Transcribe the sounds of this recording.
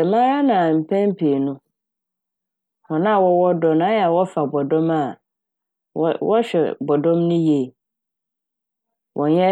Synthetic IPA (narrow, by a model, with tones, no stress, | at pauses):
ɛ˨mã˦ɾa˦nã˨m̩˨pʰɛ̃˦m˦pʰe˨nʊ̃˦ | hɔ̃˨nã˦˨wɔ˦wɔ˦dɔ̃˨na˦ɛ˦˨a˨wɔ˦fa˨bɔ˨dɔ̃˦ma˦˨ | wɔ˦ɕᶣɛ̰˨bɔ˨dɔ̃˦mnʊ̃˦je˨ | wʔɔ̃˨ɲɛ˦